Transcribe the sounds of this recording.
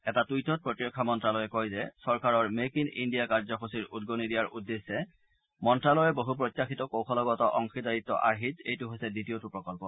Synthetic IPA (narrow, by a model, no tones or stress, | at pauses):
ɛtatujtɔt̚pɹotijɔkʰːamɔntɹalɔjɛkojzɛsɔɹkaɹɔɹmekinḭndijakaɹzɔxosiɹudɡonidijaɹudːesːɛ | mɔntɹalɔjɛboɦupɹotːjaxitɔkowxʰɔlɔɡɔtɔʔɔŋxidaɹit̪ːɔ̰ʔa̰ɹɦitejtʊɦojsɛditiotupɹɔkɔlpɔ